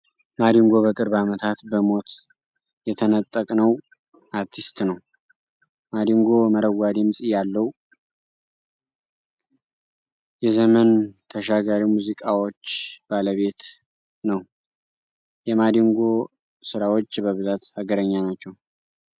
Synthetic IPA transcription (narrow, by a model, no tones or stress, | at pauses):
mad̪iŋɡo̞βəkʼɨɾbamət̪ʰat̪bəmo̞t̪ | jɛt̪ʰənət̪ʼːəkʼnəw | ʔaɾt̪ʰist̪nəw | mad̪iŋɡo̞məɾəɡad̪imsʼijalːəwu | jɛzəmənt̪ʰəʃaɡaɾimuzikʼawo̞t͡ʃːb̥aləβe̞t̪ | nəw | jɛmad̪iŋɡo̞ | sɨɾawo̞t͡ʃːbəβɨzat̪haɡəɾəɲːanat͡ʃːɛw